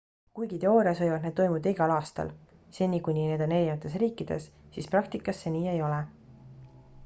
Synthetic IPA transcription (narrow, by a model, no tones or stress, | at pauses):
kujɡ̥it̪e̞o̞ːɾiɑsvɤ̞jvɑd̪ned̪ːo̞jmud̪ɑiɡ̥ɑlɑːst̪ɑ̰l | se̞nʲikunʲine̞d̪̥ene̞lʲjɑt̪ːˑe̞s̬riːkˑːid̪̥e̞̰ssisprɑk̚t̪ikːˑɑsːeniːe̞jo̞le